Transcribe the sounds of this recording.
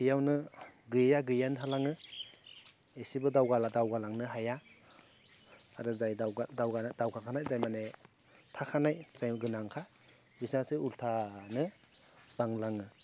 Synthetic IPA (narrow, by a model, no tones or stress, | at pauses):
kʰɯjawnɯɡɯjjaɡɯjantʰalaŋɯ | esibɯdawɡaladawɡalaŋnɯɦaja | ɾɯzajadawɡadawkʰakʰanajzajmane | tʰakʰanajzajɡɯnaŋkʰa | bisnasɯultʰanɯ | b̥aŋlaŋɯ